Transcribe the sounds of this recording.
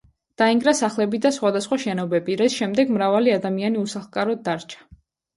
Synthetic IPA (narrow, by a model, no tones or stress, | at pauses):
d̪̥aiŋɡɾasaχlɛbid̪asχwad̪asχwaʃɛnɔbɛbiɾɛsʃɛmd̪ɛɡmɾavaliad̪amianiusaχlˠkʼaɾɔd̪̚ːaɾt͡ʃʰḁ